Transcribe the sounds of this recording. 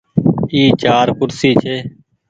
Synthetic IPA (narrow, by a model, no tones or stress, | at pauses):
iːt͡ʃaːɾkʊɾsiːt͡ʃʰeː